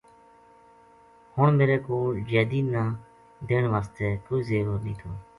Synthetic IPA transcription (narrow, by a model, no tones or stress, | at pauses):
hʊɳmeːɾeːkoːld͡ʒeːd̪iːnãː | d̪eːɳʋaːst̪eːkoːizeːɾoːɾnĩːt̪ʰoː